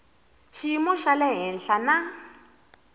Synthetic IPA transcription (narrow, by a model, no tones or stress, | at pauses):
ʃimʊʃalɛɦɛn̩ɬana